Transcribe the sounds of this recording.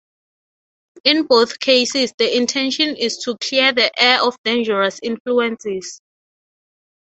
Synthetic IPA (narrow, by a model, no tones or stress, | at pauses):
ĩnboθkʰejsisdəĩntʰɛ̃nʃɔ̃nistʰukʰliəðəʔɛʔɔfdẽnd͡ʒɛɹasĩnfluɛ̃nsɛs